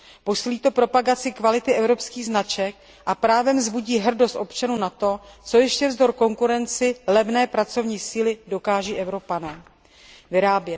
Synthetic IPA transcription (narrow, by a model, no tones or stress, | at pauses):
po̞siːliːt̪o̞pɾo̞paɡat͡sɪkvalɪt̪ɪʔɛvɾo̞pskiːɣznat͡ʃɛk̚ | ʔapɾaːvɛmzbuɟiːɦr̩dost̪ʔo̞pt͡ʃanuːnat̪o̞t͡so̞jɛʃcɛvzdo̞ɾko̞ŋkuɾɛnt͡sɪlɛvnɛːpɾat͡so̞vɲiːsiːlɪdo̞kaːʒiːʔɛvɾo̞panɛː | vɪɾaːbjɛ